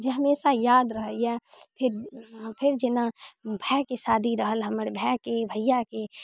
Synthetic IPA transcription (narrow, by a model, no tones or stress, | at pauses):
d͡ʒeɦɐmeːsajaːd̪ɾəɦəɛːpʰɪɾpʰɪɾd͡ʒɪnabʱɛːkesaːd̪ʱiɾəɦəlɦɐmɾebʱɛːkebʱəjake